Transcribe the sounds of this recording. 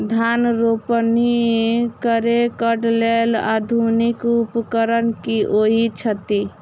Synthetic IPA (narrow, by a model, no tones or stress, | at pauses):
d̪ʱanɾopəniekəɾekəɖlela̰d̪ʱunikupkəɾənkiʔoɦit͡ʃʰət̪i